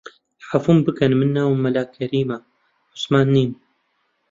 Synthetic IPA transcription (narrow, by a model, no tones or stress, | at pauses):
ħafumbɨkɐnmɨnːaːwmːɐlaːkʰːɐɾiːma | ʊ̥smaːnːiːm